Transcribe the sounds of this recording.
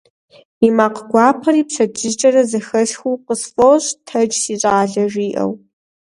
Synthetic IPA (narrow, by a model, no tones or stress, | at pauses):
imaːqɡʷɑːpʰɐɾiːpʂɐd͡ʒʰʼɨt͡ʃʼɐrɐzɐxɐɬxʷuːqəsfʼoɕʼtʰɐd͡ʒsiːɕʼaːɮɐʐiːʔɐ̰w